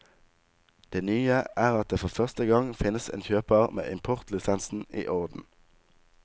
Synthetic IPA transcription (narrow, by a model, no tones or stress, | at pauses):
d̪̥eːnyːəʔæːʁɑt̪̚d̪eːfɔʁfœʁst̪əɡɑŋfɪnəsḛːnçøːpəʁmḛːʔɪmpʰɔʁt̪lɪsɛnsn̩ḭːʔɔʁd̪n̩